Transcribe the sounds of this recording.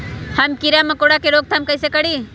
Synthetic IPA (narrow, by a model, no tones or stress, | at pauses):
həmkiɾamɐkoɽakeɾoːɡ̚t̪ʰamkəjsekəɽi